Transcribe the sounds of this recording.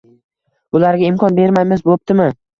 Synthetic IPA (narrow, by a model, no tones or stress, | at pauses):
bʊlaɾɡʲaɪmkʰɒnbe̞ɾmajmɪzbop̚t̪ɪmɪ